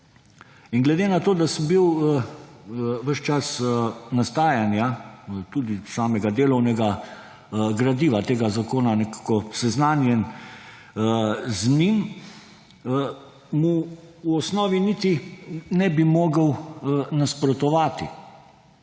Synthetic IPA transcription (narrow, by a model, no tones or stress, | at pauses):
inɡlɛd̪enat̪oːd̪asəmbiw | ʋəʃt͡ʃasnast̪aːjanjat̪uːd̪isaːmɛɡad̪eːlɔwnɛɡa | ɡɾad̪iːʋat̪eːɡazakoːnanɛkḁkɔsɛznaːnjɛn | zmiːn | muuɔsnɔːʋinit̪inɛbimɔːɡəwnaspɾɔt̪ɔʋaːt̪i